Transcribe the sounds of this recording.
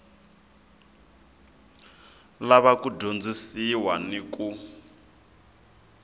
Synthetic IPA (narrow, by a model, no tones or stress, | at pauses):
laβakuɟʱond͡zisiwanikʼu